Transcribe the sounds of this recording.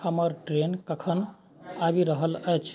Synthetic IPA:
həməɾʈɾenkəkʰən | abiɾəɦələjt͡ʃʰ

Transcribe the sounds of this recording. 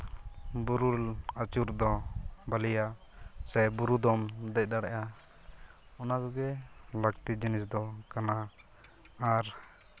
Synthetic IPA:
buɾulat͡ʃuɾd̪ɔbalija | sɛbuɾud̪ɔmd̪ɛc̚d̪aɽɛʔa | ɔnaɡɔɡɛlakt̪id͡ʒinisd̪ɔkanaː | ɾ

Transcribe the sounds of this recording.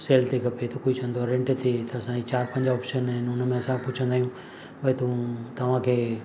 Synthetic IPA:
seːlt̪ʰikʰɐpet̪ɐkoːit͡ɕʰɐ̃nd̪oaɾɛ̃ɳʈt̪ʰit̪ɐːsãd͡ʑit͡ɕaːɾpɐ̃ɲd͡ʑaɔːpʃənɦɪnʊnə̆mẽɐsãpʊt͡ɕʰə̃nd̪aːijũ | ɓɐet̪ũt̪ɐʋ̤ãkʰeː

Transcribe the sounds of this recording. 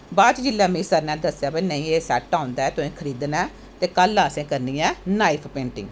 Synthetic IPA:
baːt͡ʃd͡ʒɪlːaːmɪsəɾnɛ̃ːd̪əsjaːbəinəĩːeːsɛːʈːãːʊ̃nd̪aːɛːt̪ʊẽːkʰəɾiːd̪nɛː | t̪eːkəlːaːsẽːkəɾniːɛ̃ːnaːipʰpẽːɳʈɪ̰̃ŋɡ

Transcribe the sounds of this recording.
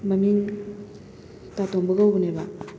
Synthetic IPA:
mamiŋ | tatoŋbɯɡawbneba

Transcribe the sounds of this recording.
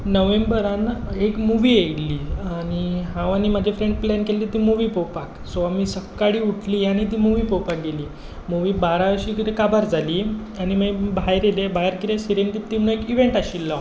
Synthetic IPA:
nəʋembəɾanekmuʋiːeɽliːañiɦãʋanimad͡ʑʱefɾeɳɖplɛnkelːiːt̪iːmuʋipopaksoamisəkːaɽiːuʈʰliːaɽ̃it̪̬iːmuʋiːpowpak̚ɡeliː | muʋiːbaɾaʋəɕiːkiekabaɾd͡zʱaliː | añimaibʱajɾelebʱaɦjəɾkiɾesiɾent̪it̪imnaekiʋeɳʈaɕilːa

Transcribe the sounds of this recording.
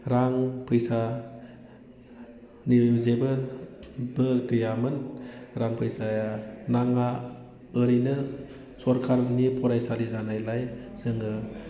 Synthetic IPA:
ɾaŋpʰɯjsa | nizebɯ | bɯkɯjamɯnɾaŋpʰɯjsajanaŋaː | ɾinɯ | sɔɾkʰaɾnipʰɔɾajsalizanajlajz̥ɯŋɯ

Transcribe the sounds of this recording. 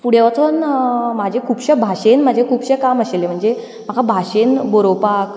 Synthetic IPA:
puɽjeʋat͡s̪ʰonmad͡ʑʱekʰuːpɕəbʱaɕenm̤ad͡ʑʱekʰuːpɕekaməɕelem̤əɳd͡ze | m̤akʰabʱaɕenboɾopak

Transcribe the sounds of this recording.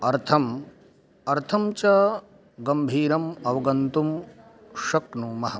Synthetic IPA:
ɐɾt̪ʰɐm | ɐɾt̪ʰɐmt͡ʃɐ | ɡɐmbʱiːɾɐmɐʋɐɡɐnt̪um | ʃɐknuːmɐɦɐ

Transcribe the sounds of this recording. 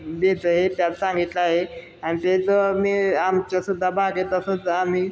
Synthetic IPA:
d̪et͡səɦet̪jat͡ssãŋɡit̪ləaɦe | añit̪et͡səmiːamt͡ɕasud̪ʱːabʱaɡet̪əsət͡sam̤iː

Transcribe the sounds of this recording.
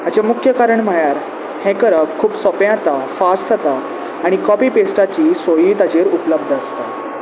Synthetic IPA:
at͡ɕamukʰjəkaɾəɳm̤əɭjaɾ | hɛ̃kəɾəpkʰuːbsɔpjãt̪afaɾsət̪a | aɽ̃ikɔpiːpesʈat͡ɕiːsojiːt̪ad͡ʑeɾupləb̚d̪ʱəst̪a

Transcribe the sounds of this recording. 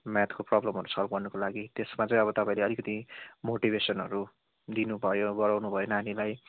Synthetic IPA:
mat̪koprʌblʌmɦʌɾusʌlp̚ɡʌrnukolaɡit̪esmat͡sʌ̃j̃ʌbʌt̪ʌpãĩleʌlikʌt̪imoʈibʱesʌnɦʌɾu | d̪inubʱʌjoɡʌɾawnubʱʌjonanilaj

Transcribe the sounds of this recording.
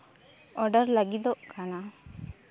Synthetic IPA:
ɔɖəɾlaɡid̪ɔʔkana

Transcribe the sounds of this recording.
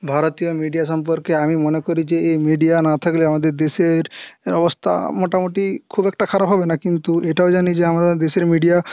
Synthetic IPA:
bʱaɾot̪ijomiɖijaʃ̬ɔmpɔɾkeamimonekoɾid͡ʑeemiɖijanat̪ʰakliamad̪eɾd̪eʃeɾɔbost̪ʰa̰moʈamoʈikʰubɛk̚ʈakʰaɾabɦɔbenakint̪ueʈaod͡ʒanid͡ʑeamɾad̪eʃeɾmiɖija

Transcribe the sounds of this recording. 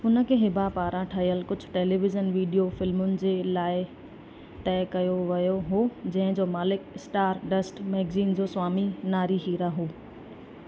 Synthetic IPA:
ʊnə̆kʰeːɦɪbʱapaːɾãʈʰɐɦijəlkʊd͡ʑʱʊ̥̆ʈeːliːʋɪzənʋiːɖijofɪlmʊnɪ̆d͡ʑeːlaːɪ | t̪ɛːkɐjoʋɐjoɦoːd͡ʑɐ̃ɦɪ̃d͡ʑoːmaːlɪkɪsʈaːɾɖɐsʈmɛːɡziːnd͡ʑoːswaːminaːɾiɦiːɾaɦoː

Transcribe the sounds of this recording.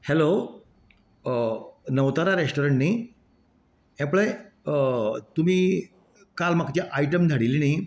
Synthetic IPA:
hɛlo | nəwt̪aɾaɾeʂʈoɾəɳʈniː | ɛ̃ple | t̪umiː | kalmakt͡ɕeʔaiʈəmd̪ʱəɽiliniː

